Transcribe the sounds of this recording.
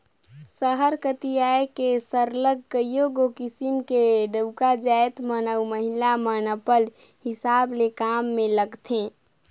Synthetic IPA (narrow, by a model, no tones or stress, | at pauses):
səɦəɾkət̪ijaekesəɾləɡʱkəjoɡokisimkeɖəʊkad͡ʒaet̪mənəwməɦilamənəpəlhɪsaːblekamːẽləɡt̪ʰẽ